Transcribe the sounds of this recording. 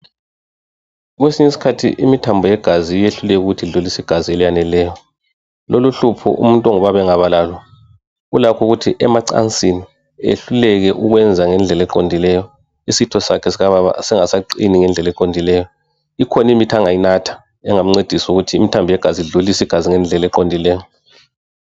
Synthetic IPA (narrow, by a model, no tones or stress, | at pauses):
ɣwesiɲesi̥kʰatʰḭʔimitʰambʱɔjɛɡ̥ʱazijeɬulɛk̬uɣutʰiɮulisiɡ̥ʱazielijanɛlɛːjɔ | loluɬupʰɔ̰ʔṵmuntʼɔŋɔβaβɛŋaβalalɔ | ulakʰuɣutʰiʔɛmaǀa̰nt͡sʼini | ḛɬulɛɣɛʔuɣwɛnd͡zʱaŋɛnd͡ɮʱɛlɛǃondʱilɛjɔ | isitʰɔsakʰɛsiaβaβa̰sɛŋasaǀiniŋɛnd͡ɮʱɛlɛǃondʱilɛjɔ | ikʰɔnimitʰaŋajinatʰḁ | ɛŋam̩ŋ͡ǀed̥ʱisuɣutʰiːmitʰambʱɔjɛɡ̥ʱaziɮulisiɡ̥ʱaziŋɛnd͡ɮʱɛlɛǃondʱilɛːjɔ